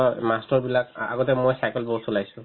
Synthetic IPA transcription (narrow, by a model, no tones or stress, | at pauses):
mastɔɹbilaka̰ɡɔtɛmojsajkɛlbɔsɔlajsʊ̃